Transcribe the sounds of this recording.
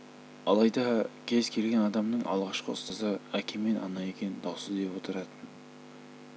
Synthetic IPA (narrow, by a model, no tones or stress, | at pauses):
ɑlˠɑjd̪ɑkʲʰe̞zkʲʰe̞lɡʲe̞nɑd̪ɑmnəɴʔɑ̰lˠʁɑʃqəʊ̰st̪ɑzəækʲemːe̞nʔɑnɑje̞kʲe̞nnd̪ɑwsəzd̪e̞pwo̞t̪əɾɑt̪ən